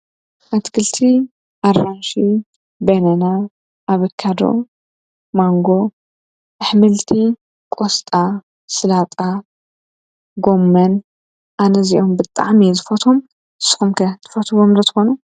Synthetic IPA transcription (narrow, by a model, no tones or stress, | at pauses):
ʔat̪kʰɨlt̪ʰi | ʔaranʃi | bɐnɐna | ʔaβɨkʰːad̪o̰ | maŋɡo̞ | ʔɨħmɨlt̪ʰi | kʼost̪ʼa | sɨlat̪ʼa | ɡo̞mːɐn | ʔanɐziʔo̞mbɨt̪ʼa̰ʕmizɨfɐt̪ʰom | sɨ̥xumkʰɐt̪ʰɨ̥fɐt̪ʰɨβomlɐt̪ʰɨ̥xonu